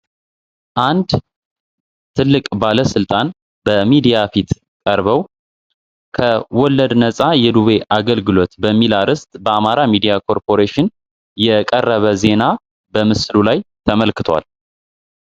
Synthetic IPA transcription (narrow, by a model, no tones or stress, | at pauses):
ʔand̪ | t̪ʰɨlːɨkʼbaləsɨlt̪ʼan | bəmid̪ijafit̪ | kʼəɾβəw | kʰəwɔlːəd̪nəsʼajɛd̪uβe̞ʔaɡəlɡɨlo̞t̪bəmːilaɾɨst̪ʼbəamaɾamid̪ijakʰo̞ɾpʰo̞ɾeʃɪn | jɛkʼərːəβəze̞na | bəmɨslulajt̪ʰəməlkɨt̪ʰwa̰l